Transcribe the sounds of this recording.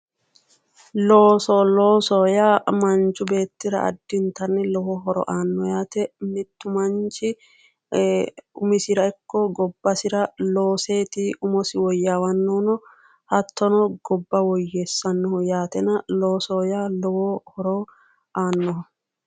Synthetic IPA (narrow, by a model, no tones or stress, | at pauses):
loːsɔloːsɔjaːmɐnt͡ʃʊbeːt̪ːɪɾɐ̰ɐ̰d̪ːɪnt̪ɐnːɪlɔhɔɦɔɾɔ̰ʔaːnːɔjaːt̪ɛmɪt̪ːʊmɐnt͡ʃɪ | ʊmɪsɪɾɐɪkːɔɡɔbːɐsɪɾɐlo̞ːseːt̪iʊmɔsɪwɔjːaːwɐnːoːnɔ | hɐt̪ʰːɔnɔɡ̥ɔbːɐwɔjːesːɐnːɔhʊjaːt̪ɛnɐloːsoːjaːlɔwohɔɾɔ | ʔaːnːɔɦ